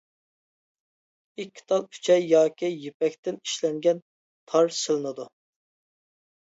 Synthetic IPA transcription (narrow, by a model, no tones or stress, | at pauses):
ikʲʰːi̥t̪ʰɑlˠkʲʰy̥t͡ʃʰɛjjɑːkʲʰijepɛk̚ʲt̪ɪni̥ʃlɛŋɡʲɛn | t̪ʰɑɾsɨlˠɨnɨd̪u